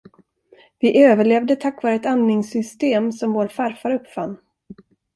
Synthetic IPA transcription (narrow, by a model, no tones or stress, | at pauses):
vɪʔøːvəɭeːvd̪ət̪ʰakːvɑːɾəɛt̪annɪŋsʏst̪eːmsɔmvoːɾfaɾfaɾɵpːfa̰nː